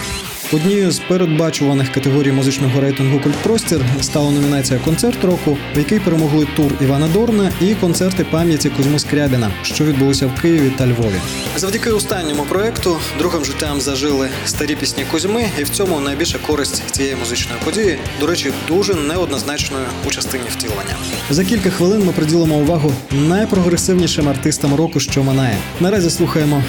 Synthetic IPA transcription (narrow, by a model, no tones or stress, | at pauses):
ɔd̪ʲnʲijzpeɾed̪̚bɑt͡ʃʊʋɐnɪxkɐt̪eɦɔɾʲijmʊzɪt͡ʃnɔɦɔɾɛjt̪ɪnɦʊkʊlʲt̪pɾɔsʲtʲirst̪ɑlˠɐnɔmʲinɑt͡sʲijɐkɔnt̪sɛrt̪ɾɔkʊjɐkɪjpeɾemɔɦlˠɪt̪uriʋɑnɐd̪ɔrnɐikɔnt̪sɛrt̪ɪpɑmʲjɐtʲikʊzʲmɪskɾʲabʲinɐ̰ʃt͡ʃɔʋʲid̪̚bʊlˠɔsʲɐwkɪjiʋʲit̪ɐlʲʋɔʋʲḭ | zɐʋwdʲikɪʊst̪ɑnʲːɔmʊpɾɔɛkt̪ʊ | d̪ɾuɦɪmʒɪtʲːamzɐʒɪlˠɪ | st̪ɐɾʲipʲisʲnʲikʊzʲmɪiwt͡sʲɔmʊnɐjbʲilʲʃɐkɔɾɪsʲtʲt͡sʲijɛjimʊzɪt͡ʃnɔjipɔdʲijid̪ɔɾɛt͡ʃid̪uʒɛnɛɔd̪nɔznɑt͡ʃnɔjʊːt͡ʃɐst̪ɪnʲiwt̪ʲilˠʋɐnʲːɐ̰ | zɐk̬ʲilʲkɐxʋɪlˠɪnmɪpɾɪdʲilˠemɔʊʋɑɦʊnɐjpɾɔɣɾesɪwnʲiʃɪmɐrt̪ɪst̪ɐmɾɔkʊʃt͡ʃɔmɐnɛjɛ̰ | nɐɾɑzʲislˠuxɐjemɔ